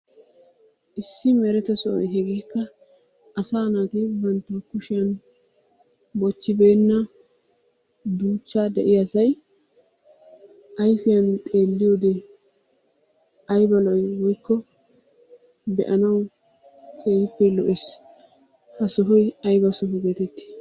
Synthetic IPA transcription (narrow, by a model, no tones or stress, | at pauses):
ʔɪsːɪmɛɾɛt̪ɐsɔʔɔ̰jɦɛɡiːkːɐː | saːnaːt̪ɪbɐnt̪ːɐkʊʃɪjɐn | bɔt͡ʃːɪbe̞ːnːɐ | d̪uːt͡ʃːaːd̪ɛʔɪjɐsɐj | ʔɐjfɪjɐnt̪ʼe̞ːlːɪjoːd̪ɛ | ɐjbɐlɔjwɔjkːɔ | bɛʔɐnɐw | kʰeːjɪpːɛlɔʔes | hɐsɔɦɔjɐjbɐsɔɦʊɡeːt̪ɛt̪ːɪ̥